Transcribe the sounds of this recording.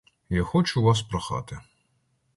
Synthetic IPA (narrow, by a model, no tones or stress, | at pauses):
jaxɔt͡ʃʊʋɑs̬pɾɐxɑ̰t̪ɪ